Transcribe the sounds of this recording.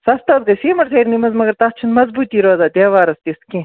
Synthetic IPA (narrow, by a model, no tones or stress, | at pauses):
sɐst̪ɐzɡɐsiːmɐɾt̪ʰeːɾnimɐzmɐɡɐɾt̪ɐt͡ʃʰunmɐzbuːt̪iːɾoːzaːd̪eːʋaːɾɐst̪iskʲĩ